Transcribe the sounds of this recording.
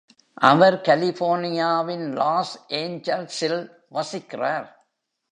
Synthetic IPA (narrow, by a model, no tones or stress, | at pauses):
ʔɐʋɐɾkɐlɪfoːɾnɪjaːʋɪnlaːsʔeːɲd͡ʒɐlsɪl | ʋɐsɪkːɪraːɾ